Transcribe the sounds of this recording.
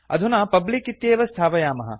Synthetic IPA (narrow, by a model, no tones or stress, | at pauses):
ɐ̰d̪ʱunaːpɐblikit̪jeːʋɐst̪ʰaːʋɐjaːmɐɦɐ̰